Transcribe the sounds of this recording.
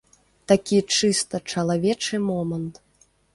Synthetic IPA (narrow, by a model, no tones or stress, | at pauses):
t̪akʲit͡ʂɨst̪ɐt͡ʂɐlˠavʲɛt͡ʂɨmɔmɐnt̪